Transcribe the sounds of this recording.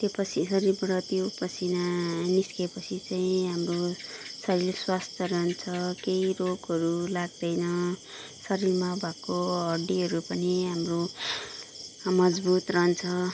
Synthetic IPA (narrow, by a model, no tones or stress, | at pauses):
t̪jepʌt͡sʰisʌɾirbʌɽʌt̪jopʌsʰinaniskepʌt͡sʰit͡saĩɦamrosʌɾiɾswast̪ʰjʌɾʌnt͡sʰʌkejroɡʌɾulaɡ̚d̪ʌjnʌ | sʌɾirmabʱakoʌɖiɦʌɾupʌniɦamro | mʌd͡zbut̪rʌnt͡sʰʌ